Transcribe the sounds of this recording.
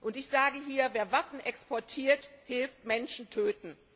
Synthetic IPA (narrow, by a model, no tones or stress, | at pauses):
ʔʊntɪçz̥aːɡəɦiːɐveːɐvafn̩ʔɛkspɔɐtʰiːɐthɪlftmɛnʃn̩tʰøːtn̩